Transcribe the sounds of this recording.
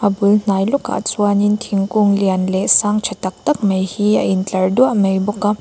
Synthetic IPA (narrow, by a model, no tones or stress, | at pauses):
ɐbuln̥ajluka̰t͡suanintʰiŋkuŋlianlesaŋt͡ʃʰɐtɐk̚tɐk̚mejhiɐint͡ɬɐɾduaʔmejbɔka